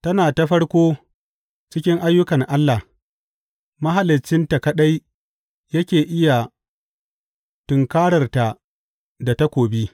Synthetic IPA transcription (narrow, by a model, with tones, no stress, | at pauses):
tɐ˦naː˨ta˦ɸɐ˦ɽkʷoː˦ | t͡ʃɪ˦kʲɪ˦ŋʔa˦jːʊ˦kɐ˨ŋʔa˦lːa˨h | mɐ˦ɦa˨lɪ˨t͡ʃːɪ˦nta˨kɐ˦ɗa˦j | jɐ˦kʲeː˨ʔɪ˦ja˨ | tʊ˨ŋkaː˦ɽɐ˨rta˨ | da˨ta˦kʷoː˨bi˦